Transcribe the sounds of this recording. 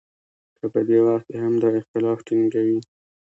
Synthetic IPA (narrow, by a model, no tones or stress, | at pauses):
kəpəd̪ewaxt̪̚keɦamd̪əɪxt̪ɪlɑfʈiŋɡawi